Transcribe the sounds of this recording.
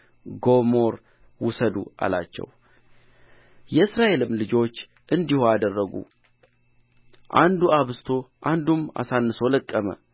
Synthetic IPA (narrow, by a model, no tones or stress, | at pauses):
ɡo̞mo̞ɾ | wʊsəd̪ṵa̰la̰t͡ʃːɛ̰w | jɛɨsɾaʔe̞lɨmːlɨd͡ʒo̞t͡ʃː | ʔɨnd̪ihoad̪ərːəɡṵ | ʔand̪uaβst̪ʰo̞ʔand̪uma̰sanːɨso̞ləkʼːəmə̰